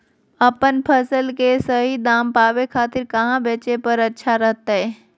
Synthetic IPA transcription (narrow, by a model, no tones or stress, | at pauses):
ɐpənpʰəsəlkesəɦid̪aːmpaːʋekʰaːt̪ɪɾkɐɦãbeːt͡ʃepəɾɐtːʃʰaɾɐɦt̪aɦɛː